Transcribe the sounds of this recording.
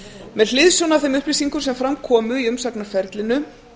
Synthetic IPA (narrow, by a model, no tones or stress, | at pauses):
mɛðlɪðsjɔwnav̥θɛjmʏhplisiŋkʏɾ̥sɛmfɾamkʰɔːmʏiʏmsaknaɾfɛɾt̪lɪnʏ